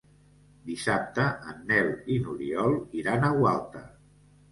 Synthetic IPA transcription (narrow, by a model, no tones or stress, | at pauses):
d̪isap̚t̪əʔənːɛlinuɾiɔlˠiɾanəwalˠt̪ə